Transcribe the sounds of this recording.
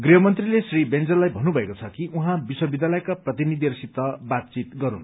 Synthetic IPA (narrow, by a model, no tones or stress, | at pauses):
ɡriɦʌmʌnt̪rilesribend͡zʌlːajbʱʌnubʱʌekot͡sʰʌkiʔuɦãbiswʌbid̪jalʌjkaprʌt̪inid̪ʱirsit̪ːʌbat̪̚t͡sit̪ɡʌɾṵn